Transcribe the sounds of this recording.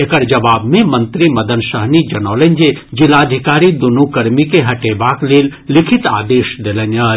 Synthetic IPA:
ekɐɽd͡ʒɐʋaːbmẽmɐnt̪ɾimɐd̪ɐnʃɐɦnid͡ʒɐnoːlɐnʲd͡ʒed͡ʒɪlaːd̪ʱikaːɾid̪unukɐɾmikeɦɐʈeːbaːkleːllɪkʰɪt̪aːd̪eːʃd̪ɪlɐnɐ

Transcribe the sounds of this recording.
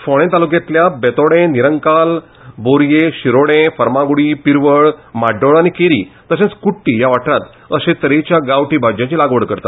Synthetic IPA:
foɽ̃ẽt̪aluk̬jãt̪ljabɛt̪oɽẽniɾəŋkal | boɾjeɕiɾoɽẽfəɾmãɡuɽiːpiɾʋəɭmaɖoɭanikeɾḭːt̪əɕẽt͡skuʈːijaʋaʈɾat̪ | əset̪əɾet͡ɕjaɡaʋʈiːbad͡ʑjãt͡ɕilaɡʋəɽkəɾt̪at̪

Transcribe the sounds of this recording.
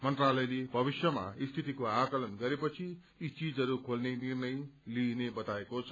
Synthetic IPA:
mʌnt̪ralʌjlebʱʌbisjʌma̰ist̪ʰit̪ikoakʌlʌnɡʌɾepʌt͡sʰi | it͡sid͡zʌɾukʰolnenirnʌjlinebʌt̪aekot͡sʰʌ̥

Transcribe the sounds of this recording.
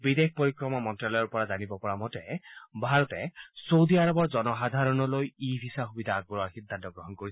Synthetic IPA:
bid̪ek̚poɹikɹɔmamɔntɹalɔjɔɹpɔɹazanibɔpɔɹamɔtɛbʱaɹɔt̪ɛsowd̪iaɹɔbɔɹd͡ʒɔnɔxad̪ʱaɹɔnɔlojibʱisaxubid̪ʱaːɡbɔɹɔaɹxid̪ʱːantɔɡɹɔɦɔnkoɹis

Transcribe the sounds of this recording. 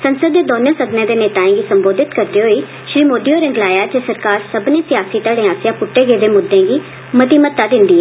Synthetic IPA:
sənsəd̪ːeːd̪oːnẽːsəɡnẽːd̪eːneːt̪aːẽːɡiːsəmboːd̪ɪt̪kəɾd̪eːɦoːiː | ʃɾiːmoːɖijoːɾɪ̃ŋɡlaːjaːd͡ʒeːsəɾkaːɾsəbnẽːsɪjaːsiːt̪əɽẽːaːsjãːpʊʈːeːɡeːd̪eːmʊd̪ːẽːɡiː | mət̪iːmət̪ːaːd̪ɪnd̪iːɛː

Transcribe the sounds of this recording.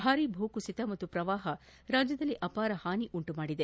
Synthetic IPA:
bʱaːɾibʱuːkusit̪ɐmɐt̪ːupɾɐʋaːɦɐ | ɾaːd͡ʒjɐd̪ɐlːiʔɐpaːɾɐhaːniʔuɳʈumaːɽid̪e

